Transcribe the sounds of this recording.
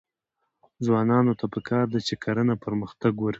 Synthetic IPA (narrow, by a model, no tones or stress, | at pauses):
zwɑnɑnot̪ʰapəkʰɑɾd̪at͡ʃekʰaɾənapəɾməxt̪aɡwaɾ